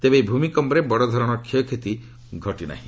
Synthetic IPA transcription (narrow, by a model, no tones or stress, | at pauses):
t̪ebebʱumikɔmbɔɾebɔɽɔd̪ʱɔɾɔɽ̃ɔkʰiɔkʰet̪i | ɡʱɔʈina̰ɦĩ